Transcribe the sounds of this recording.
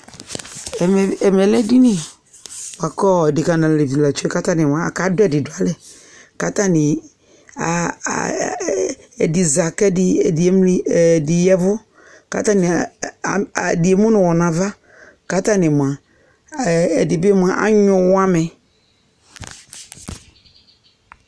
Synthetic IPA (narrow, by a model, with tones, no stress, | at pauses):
m˨ɛ˨mlɛ˨lɛ˦di˦ni˦˨ | ba˨kɔ˦ɛ˨dɪ˨ka˨nã˨le˨vi˨la˨t͡ʃu˦ɛ˦ka˦ta˦nɪ˨m˨ã˨a̰˨ka˨˦dʊ˦ɛ˨dɪ˨dʊ˨a˨lɛ˦˨ | ka˦ta˦nɪ̰˨ | ɛ˨dɪ˨za˨kɛ˦dɪ˨˦m˦˨dɪ˨jɛ˦vʊ˦ | ka̰˨˦ta˦nɪ˨ | dɪ˨e˨mũ˦nʊ̃˨wɔ˨nã˨va˦ | ka˦ta˦nɪ̃˨m˨a˨ | ɛ˨dɪ˨bɪ˦m˨a˨ʔa̰˦ɲʊ̃˨wa˦mɛ˨